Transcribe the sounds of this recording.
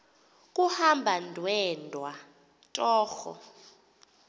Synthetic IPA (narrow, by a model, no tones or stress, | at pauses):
kʼuhambʱandʱwɛndʱwa | tʼɔːxɔ̰